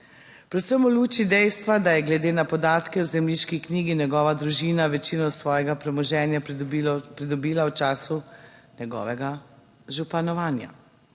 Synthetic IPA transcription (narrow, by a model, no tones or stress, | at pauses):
pɾɛt̪səmɔluːt͡ʃid̪ɛjst̪ʋad̪ajɛɡlɛd̪eːnapɔd̪aːt̪kɛwzɛmliːʃkikniːɡinjɛɡɔːʋad̪ɾuʒiːnaʋɛt͡ʃiːnɔsʋɔːjɛɡapɾɛmɔʒɛːnja | pɾid̪ɔbiːlawt͡ʃaːsunjɛɡɔ̰ːʋɛɡa | ʒupanɔʋaːnja̰